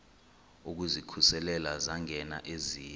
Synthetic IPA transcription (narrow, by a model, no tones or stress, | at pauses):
uk̬uzikʰusɛlɛlazaŋɛna̰ʔeziː